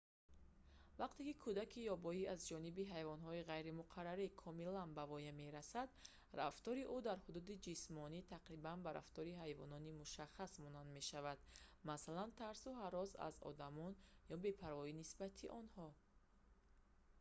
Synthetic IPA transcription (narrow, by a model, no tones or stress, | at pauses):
vaqt̪e̞kikʰud̪akʰijɔbɔiazd͡ʒɔnibiɦajvɔnɦɔiʁajɾimuqʰaɾaɾikʰɔmilanbavɔjame̞ɾasad̪ | raft̪ɔɾiʔud̪aɾhud̪ud̪id͡ʒismɔnit̪ʰaqɾibanbaɾa̰ft̪ɔɾiɦajvɔ̰nɔnimuʃaχasmɔnand̪me̞ʃavad̪̥masalant̪ʰaɾsuɦaɾɔza̰zɔ̰d̪amɔnjɔbe̞pʰaɾvɔinisbat̪ʰiʔɔnhɔ